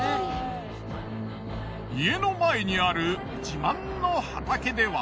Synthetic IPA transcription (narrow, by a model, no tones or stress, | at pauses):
ie̞no̞mae̞ɲ̟iaɾɯ̟ | d͡ʑimãnːo̞hat̪ake̞d̪e̞βa